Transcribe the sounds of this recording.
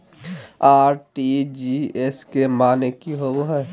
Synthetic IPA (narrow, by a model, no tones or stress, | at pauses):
aːɾʈid͡ʒieskemaːnekiɦoʋɦɛ